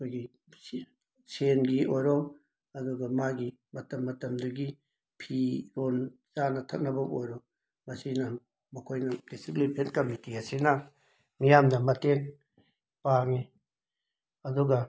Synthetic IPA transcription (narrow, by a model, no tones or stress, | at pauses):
kʰojɡi | senɡiʔojɾɔŋ | ɐduɡɐmaɡi | mɐtɐmːɐtɐmduɡi | pʰiɾonzanɐtʰɐt̚nɐbɐmojɾɔ | mɐsinɐ | mɐkʰojnɐd̥esiklipʰenkɐmitiɐsinɐ | mijamdɐmɐteŋ | paŋi | ɐduɡɐ